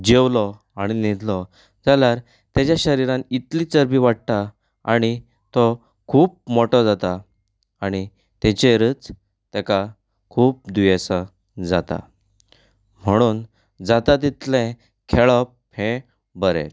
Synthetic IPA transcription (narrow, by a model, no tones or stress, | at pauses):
d͡ʑewlɔ | aɽ̃inid̪ʱlɔ | d͡zaljaɾ | t̪at͡ɕjaɕəɾiɾãnit̪lit͡səɾbiʋaʈ̚t̪a | aɽ̃i | t̪ɔ | kʰuːp̚mɔʈɔd͡zat̪a | aɽ̃i | t̪ɛt͡ɕeɾət͡s | t̪ɛka | kʰuːp̚d̪ujesa | d͡zat̪a̰ | m̤əɽ̃uːn | d͡zat̪at̪̬it̪lɛ̃ | kʰeɭɔp̚ | hɛ̃ | bəɾɛ̰̃